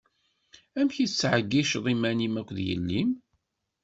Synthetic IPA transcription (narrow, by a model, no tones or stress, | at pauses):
æmçiθət͡sːʕəɡːiʃðˤimænimækʷːðjə̰lːim